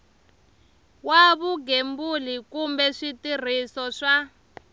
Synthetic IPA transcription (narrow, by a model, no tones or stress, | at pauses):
waβuɡembulikumbɛʂitir̤isɔʂa